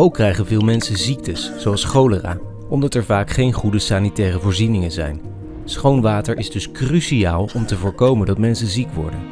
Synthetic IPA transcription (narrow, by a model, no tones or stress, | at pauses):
owkːrɛjχənvɪːlˠmɛnsənzik̚təsːowɑlˠsχowləra̰ː | ɔmdɑtɛɹvaːkχejnχudəsaːnitɛːrəvʊːɹzinɪŋənzɛ̰jn | sχownʋaːtəɹʔɪzdɵskrysiaːlˠɔmtəvʊːɹkowməndɑtmɛnsənzikʋɔ̰ɹdən